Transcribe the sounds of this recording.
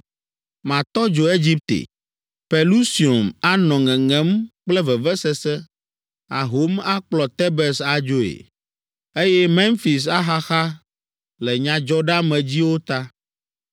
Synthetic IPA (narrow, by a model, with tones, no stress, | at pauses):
mã˨t̪ɔ˦d͡ʒo˨e˦d͡ʑi˦p̚t̪ḛ˨ | pɛ˨lu˦si˨o˨ma˦nɔ̃˨ŋɛ̃˨ŋɛ̃˨˦mk͡plɛ˦vɛ˨vɛ˦sɛ˦sɛ˦ | a̰˨ɦo˦ma˦k͡plɔ˨t̪ɛ˦bɛ˨sa˨d͡ʒo˦ḛ˨ | e˦jɛ˦mɛ̃˦nfi˨s̬a˦xa˦xa˦ | lɛ˨ɲã˨d͡ʒɔ˦ɖa˦mɛ̃˨d͡ʑi˦wo˦t̪a˦